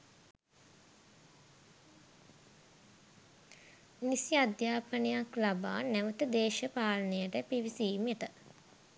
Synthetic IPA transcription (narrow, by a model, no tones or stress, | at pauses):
nisiad̪jaːpənejaklaba̰ːnːæʋət̪əd̪eːʃəpaːlənejəʈəpiʋisiːmjəʈə